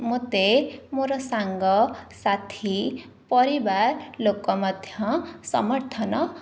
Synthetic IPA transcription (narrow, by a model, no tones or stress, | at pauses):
mot̪emoɾʌsaŋɡʌsat̪ʰi | pʌɾibarlokːʌmʌd̪ʱjʌ̃sʌ̰mʌrt̪ʰʌnʌ